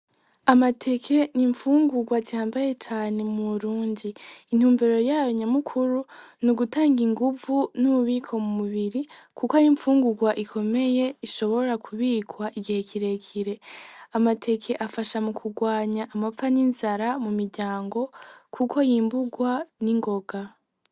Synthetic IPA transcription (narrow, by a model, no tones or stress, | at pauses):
amatʰe̞kʰe̞niɱfuːŋɡuɡwazihaːmbaje̞t͡ʃaːne̞muβuɾuːndiːn̥huːmbeɾo̞jaːjoɲamukʰuɾunuɡutaːŋɡiŋɡuvunuuβiːkʰo̞mumuβiɾikʰukohaɾiɱfuːŋɡuɡwaʔikʰo̞me̞je̞iʃo̞βo̞ɾakʰuβiːkwaʔiɡihekʰiɾe̞kʰiɾe̞amatʰe̞kʰe̞ʔafaʃamukʰuɡwaːɲaʔːmap̪faninzaɾamumiɾɟaːŋɡo̞kʰukʰo̞jiːmbuɡwaniŋɡo̞ɡa